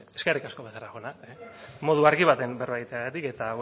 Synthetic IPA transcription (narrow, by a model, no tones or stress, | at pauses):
eskerikasko̞βesaɾaxo̞ena | mo̞ð̞uaɾɣiβ̞at̪e̞mbeɾβajt̪eɣat̪ike̞t̪a